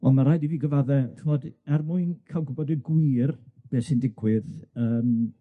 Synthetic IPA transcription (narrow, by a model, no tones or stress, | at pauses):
ɔnmaɾajdiviːɡəvaðɛχəvɔdɛrmuɨnkʰalˠɡʊbɔdənɡwɪrb̥eːsɨndɪɡwɨðəːm